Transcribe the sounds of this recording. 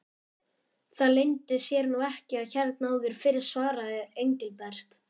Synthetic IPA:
θaðlejnt̪ɪsjɛːɾnuɛhcɪaðçɛɾt̪naːwðɪɾ̥fɪɾɪɾ̥svaːɾaðɪejɲcɪlpɛr̥t̪

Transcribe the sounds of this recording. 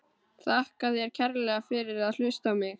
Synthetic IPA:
θahkaðjɛɾ̥cʰɛɾlɛɣafɪɾɪɾaðl̥ʏst̪awmɪx

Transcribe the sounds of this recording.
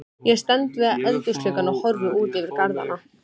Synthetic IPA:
jɛɣst̪ɛnt̪vɪaʔɛlt̪ɪslʏkanahɔɾðʏuːt̪ɛvɪɾkaɾða̰na

